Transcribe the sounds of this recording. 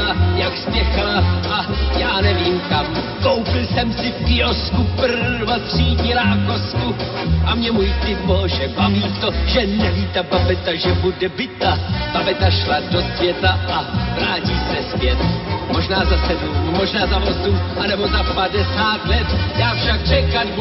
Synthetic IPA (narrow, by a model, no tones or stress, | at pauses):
ajakstɛxalaʔajaːnɛviːmkamkowpɪlsɛmsɪfpɪoskupvat̪r̥iːɲiɾaːkosku | ʔamɲɛmuːjt̪ɪt̪bolʒɛbaviːt̪oʒɛnɛviːt̪ababɛt̪aʒɛbudɛbɪt̪ab̥abɛt̪aʃladosvjɛt̪aʔavɾaːciːsɛsvjɛt̪mo̞ʒnaːzasɛduumoʒnaːzavozuʔanɛbozapadɛsaːt̪lɛt̪jaːfʃakrɛkalb